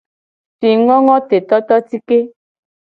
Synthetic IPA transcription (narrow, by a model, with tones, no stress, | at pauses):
fi˨ŋɔ˦ŋɔ̃˦t̪e˨t̪ɔ˦t̪ɔ˦ti˦ke˦